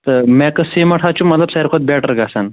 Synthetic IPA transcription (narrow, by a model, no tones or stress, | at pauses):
t̪əmɛkəsemɐʈʰat͡ɕũmət̪ləbsaɦiɾkʰot̪̚bɛʈəɾɡasan